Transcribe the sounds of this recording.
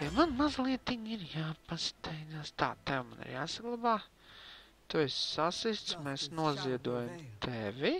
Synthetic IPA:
jamanmazlˠiɛt̪iɲiɾjaːpast̪ɛjnaːst̪a̰ːt̪ɛwmanḭɾjaːsaɡlˠabaː | t̪uɛssasist̪smɛːsnuɔziɛd̪uɔjamt̪ʰɛʋʲi

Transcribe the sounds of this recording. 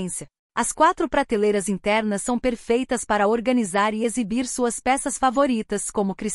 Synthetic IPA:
sjɐ | ɐskwat̪ɾʊpɾat̪elejɾɐzĩt̪ɛɾnɐsːɐ̃w̃peɾfejt̪ɐspaɾɐoɾɡɐnizaɾɪezibiɾsuɐspɛsɐsfavoɾit̪ɐskõmʊkɾis

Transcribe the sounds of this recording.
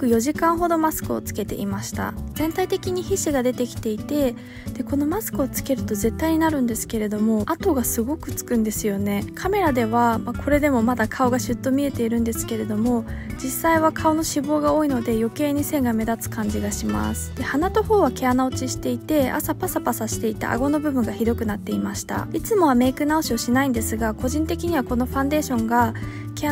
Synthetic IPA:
kɯ̟jo̞ʑikãɰ̃ɦo̞d̪o̞masɨ̥kɯ̟o̰t͡sɨ̥ke̞t̪e̞̰ʔimaɕi̥t̪a̰zẽ̞nt̪ait̪e̞kʲiɲ̟içiɕiɡad̪e̞t̪e̞kʲi̥t̪e̞it̪e̞ | d̪̥e̞ko̞no̞masɨ̥kɯ̟ot͡sɨ̥ke̞ɾɯ̟t̪o̞ze̞t̪ːaiɲ̟inaɾɯ̟̃nd̪e̞sɨ̥ke̞ɾe̞d̪o̞mo̞at̪o̞ɡasɨɡo̞kɯ̟t͡sɨ̥kɯ̟̃nd̪e̞sɨjo̞ne̞kʰame̞ɾad̪e̞βamakʰo̞ɾe̞d̪e̞mo̞mad̪akʰao̞ɡaɕɨt̪ːo̞mʲie̞t̪e̞iɾɯ̟̃nd̪e̞sɨ̥ke̞ɾe̞d̪o̞mo̞d͡ʑisːaiβakʰao̞no̞ɕibo̞ːɡao̞ːino̞d̪e̞jo̞ke̞ːɲ̟ise̞ŋɡame̞d̪at͡sɨ̥kãɲ̟d͡ʑiɡaɕima̰sɨ̥d̪̥e̞hanat̪o̞ho̞ːβake̞anao̞t͡ɕiɕi̥t̪e̞it̪e̞a̰sapasapasaɕi̥t̪e̞it̪a̰ʔa̰ɡo̞no̞bɯ̟bɯ̟̃ŋɡaçid̪o̞kɯ̟nat̪ːe̞imaɕi̥t̪a̰it͡sɨmo̞βame̞ːkɯ̟naoɕio̞ɕinaĩnd̪e̞sɨɡako̞ʑĩnt̪e̞kʲiɲ̟iβako̞no̞ɸãnd̪e̞ːɕõ̞ŋɡa | kea

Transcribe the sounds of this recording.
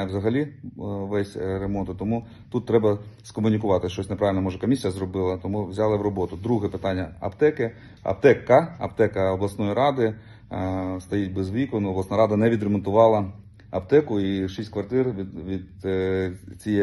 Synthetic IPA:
ʋzɐɦɐlʲiʋɛsʲɾemɔnt̪ʊt̪ɔmu | t̪ut̪ːɾɛbɐskɔmʊnʲikʊʋɑt̪ɪʃt͡ʃɔsʲnepɾɑʋɪlʲnɛmɔʒɛkɔmʲisʲijɐzrɔbɪlˠɐt̪ɔmuʋzʲɑlˠɪwɾɔbɔt̪ʊd̪ɾuɦɛpɪt̪ɑnʲːɐɐ̰pt̪ɛkɪ | ɐ̰p̚t̪ɛkːɐɐpt̪ɛkɐɔblˠɐsnɔjiɾɑd̪ɪ | st̪ɐjit̚ʲbezʋʲikɔnʊɔblˠɐsnaɾɑd̪ɐnɛʋʲid̪ɾemɔnt̪ʊʋɑlˠɐ | ɐpt̪ɛkʊiʃisʲtʲkʋɐrt̪ɪrʋ̪ʲʋʲid̪̚ | t͡sʲijɛ

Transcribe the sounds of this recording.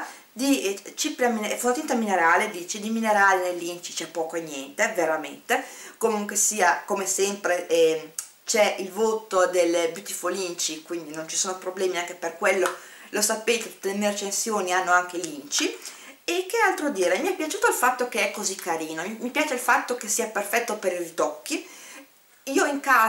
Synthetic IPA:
d̪it͡ʃipɾaminefonot̪int̪amineɾaːled̪iːt͡ʃid̪imineɾaːlenelːint͡ʃi̥t͡ʃɛpːɔːkoeɲːjɛnt̪eveɾament̪ekomuŋkwesiːakomesɛmpɾe | t͡ʃɛilvoːt̪od̪elːebjut̪ifolint͡ʃikwind̪inont͡ʃi̥soːnopɾoblɛːmiaŋkeperkwelːo | losapeːt̪et̪u̥t̪ːelemieɾet͡ʃensjoːnianːoaŋk̟elint͡ʃi | ekːealt̪ɾod̪iːɾemiɛpːjat͡ʃuːt̪oilfat̪ːokeɛkːozikːaɾiːnomimipjaːt͡ʃeilfat̪ːokesːiːaperfɛt̪ːopeɾirit̪ɔkːi | iːoiŋkaː

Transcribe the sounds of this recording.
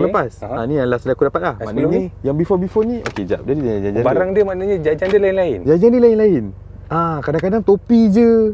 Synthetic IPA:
ləpasanialahsədakudapat̪̚lahmanaɲajaŋbifɔbifɔnniʔo̰ked͡ʒa̰ʔdadid͡ʒad͡ʒad͡ʒad͡ʒanbaɾaŋdiəmanaɲad͡ʒad͡ʒaŋdiəlainlaɪnd͡ʒad͡ʒandiəlainlaɪn | akadaŋkadaŋt̪opid͡ʒə

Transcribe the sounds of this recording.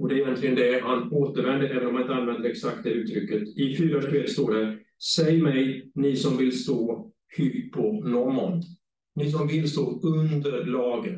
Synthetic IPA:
ɔd̪ɛæɾɪjɛnt̪lɪɡənd̪ɛhanoːt̪əɾvɛnd̪əɾɛːvənɔmanɪnt̪anvɛnd̪əɾɛksak̚t̪̚d̪ɛʉːt̪ʰːɾʏkːət̪ɪfyːɾaʂɛt̪st̪oːɖæɾ | sɛjmɛjnɪsɔmvɪlst̪oː | hʏpʰːɔnɔmɔn | nɪs̬ɔmvɪlst̪oːɵnd̪əɾɭɑːɡən

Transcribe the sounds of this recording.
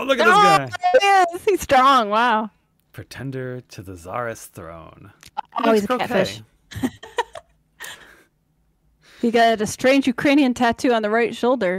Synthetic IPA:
lʊkɨt̚ðɨoɡaɪɛzhiz̥stɹ̥ɔ̃ŋwaʊ | pʰɹ̥ɨtʰɛ̃ndə˞ɾɨðəzɑ̰ɹɨsθɹõ̰ʊ̃nɔlˠwizɨætfɪʃ | hiɡɑɾɨɾɨstɹ̥ẽɪ̃nd͡ʒjʉkʰɹ̥ẽɪ̃niɨ̃ntʰætʰʉə̃nðəɹaɪtʃoʊlˠdə˞

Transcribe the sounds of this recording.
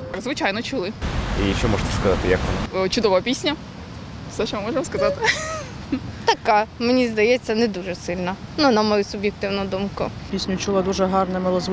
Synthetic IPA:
zʋɪt͡ʃajnɔt͡ʃʊlˠɪiʃɔmɔʒt̪ɛ̥skɐzɑt̪ɪjɐkʋɔnat͡ʃʊd̪ɔʋɔpʲisʲnʲɐ | sɐʃɔmɪmɔʐemɔskɐzɑt̪ɪ | t̪ɐkamenʲizd̪ɐjɛt͡sʲːɐnɛd̪uʒɛsɪlʲnɐnunɐmɔjusʊbjɛk̚t̪ɪwnɔd̪umkʊ̰pʲisʲnʲʊt͡ʃulˠɐd̪uʒɛɦɑrnɛmɐlˠɔzʋ

